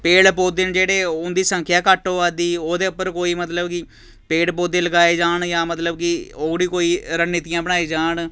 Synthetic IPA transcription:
peːɽpoːd̪end͡ʒeːɽeːʊnd̪iːsə̃ŋkʰjaːkəʈoːaːd̪iːoːd̪eːʊpːəɾkoːiːmət̪ləbkɪ | peːɽpoːd̪ẽːləɡaːeːd͡ʒaːɳjãːmət̪ləbkioːɡɽiːkoːiːɾənːɪt̪ijãːbəɽ̃aːeːd͡ʒaːɳ

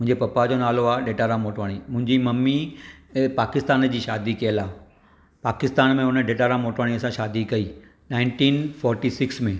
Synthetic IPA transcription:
mʊ̃ɪ̃ɲd͡ʑepɐpad͡ʑonaːloaːɖeːʈaːɾamoːʈʋaːɽ̃imʊ̃ɦɪ̃ɲd͡ʑimɐmːi | paːkɪst̪aːnd͡ʑiːʃaːd̪ikɐjəlaː | paːkɪst̪aːnmẽʊnəɖeːʈaːɾamoːʈʋaːɽ̃iɐsãʃaːd̪ikɐiː | naːɪ̃ɳʈĩːnfɔːɾʈiːsɪksmẽ

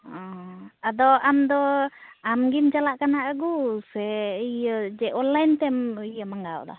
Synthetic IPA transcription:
ɔ̃ad̪ɔamd̪ɔamɡimd͡ʒalaʔkanaʔəɡusɛijəd͡ʒɛʔɔlːant̪ɛmijəmaŋɡa̰w̰d̪ɔ̰

